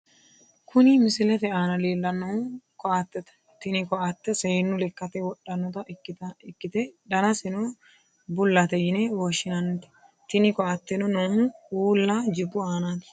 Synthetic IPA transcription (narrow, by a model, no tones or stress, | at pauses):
kʰʊnimɪsɪlɛt̪ɛaːnɐleːlːɐnːɐʊkɔat̪ːɛt̪ɐ̥ | t̪ɪnɪkɔʔat̪ːɛsɛnːʊlɛkːɐt̪ɛwɔɗːɐnːɔt̪ɐɪkːɪt̪ɛᶑ̪ɐnɐsɛno | bʊlːɐt̪ɛjɪnɛwɔʃɪnɐnt̪ɛ̥ | t̪ɪnɪkɔat̪ːɛnɔnoːmʊuːlːad͡ʒɪbːʊaːnaːt̪